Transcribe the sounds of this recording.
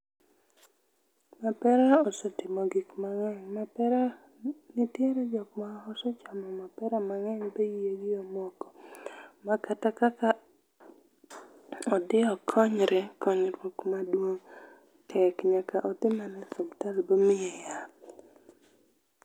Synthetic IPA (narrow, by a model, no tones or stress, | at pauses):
mapɛɾaɔsɔtɪmɔɡikmaŋɛŋmapɛɾa | nɪtjeɾɛd͡ʒɔkmaɔsɔt͡ʃamɔmapɛɾamaŋɛɲbejijeɡɪomwɔkɔ̥makatakaka | ɔd̪ɪɔkʰɔɲɾɛkɔɲɾwokmadwoŋ | tʰɛkɲakaʔɔd̪ɪmanɛsomtalbomɪɛja